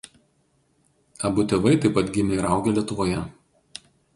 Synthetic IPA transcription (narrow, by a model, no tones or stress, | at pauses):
ɐbʊt̪ʲɛʋɐɪt̪ɐɪpɐt̪ɡʲɪmʲeːɾɑˑʊɡʲɛlʲiɛt̪ʊʋoːjɛ